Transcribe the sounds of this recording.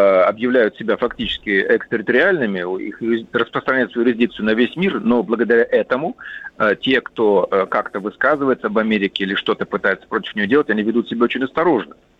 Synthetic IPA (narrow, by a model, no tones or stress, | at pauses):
ɐbjɪvlʲæjʊt̪sʲɪbʲafɐktʲit͡ɕɪ̥skʲɪɛksʲt̪ʲɪɾʲɪt̪əɾʲɪalʲnɨmʲɪḭxrəspɾəst̪ɾɐnʲæjɪt̪svəjʊɾʲɪzʲdʲik̚t̪sɨjʊnɐvʲesʲmʲirno̞blˠəɡəd̪ɐɾʲaʔɛt̪əmʊətʲe̞kt̪o̞əkakt̪əvɨskazɨvəjɪt̪səɐbɐmʲeɾʲɪkʲɪilʲɪʂt̪o̞t̪əpɨt̪ajɪt̪sə̥pɾo̞tʲɪ̥fnʲɪjo̞dʲeətʲɐnʲivʲɪd̪ut̪sʲɪbʲaot͡ɕɪnʲɐst̪ɐɾo̞ʐnə